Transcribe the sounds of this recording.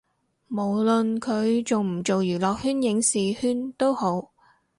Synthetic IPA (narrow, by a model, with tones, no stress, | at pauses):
mo˨˩wlɵ˨nkʰɵ˨˧ɥt͡so˨wm̩˨˩t͡so˨wjyː˨˩lɔː˨k̚hyː˥njɪ˨˧˥ŋsiː˨hyː˥nt̪o˥who˨˥w